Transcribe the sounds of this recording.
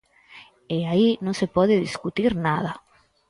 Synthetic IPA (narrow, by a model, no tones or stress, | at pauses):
eainõŋsepɔðɪðiskut̪iɾnaðɐ